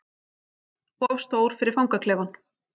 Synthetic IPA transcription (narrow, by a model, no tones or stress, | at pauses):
pɔvst̪oːwɾ̥fɪɾɪɾ̥fawŋkakʰlɛːvan